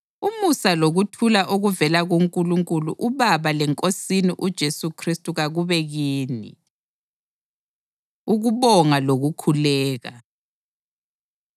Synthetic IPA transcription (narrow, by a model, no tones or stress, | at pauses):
umusaloɣutʰulaʔoɣuvɛlaɣoŋkʼuluŋkʼuluʔuβaβalɛŋkʼosiniʔud̥ʒ̥ʱesukʰristʼuɣaɣuβɛɣiːnḭ | uɣuβɔŋaloɣukʰulɛːɣa